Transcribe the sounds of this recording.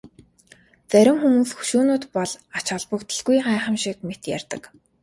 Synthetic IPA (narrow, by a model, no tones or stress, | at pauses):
t͡sæɾʲɪ̆ŋxumuːsxu̥ʃuːnʊːt̪pɔɮat͡ɕɔɮpə̆kt̪ə̆ɮɡujɢæːχə̆mʃikmet̪jæ̰rʲt̪ə̆k